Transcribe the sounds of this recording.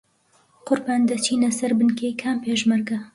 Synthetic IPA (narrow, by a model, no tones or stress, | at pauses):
qʊɾpaːnd̪ɐt͡ʃʰiːnɐsɐɾbɨnkʰejkʰaːmpʰeːʒmɐɾɡɐ